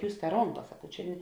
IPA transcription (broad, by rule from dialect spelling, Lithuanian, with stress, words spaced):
ˈjuːs tɐ ˈroːŋˌkɐ sɐˈkɐʊ ˈt͡ʃʲɛ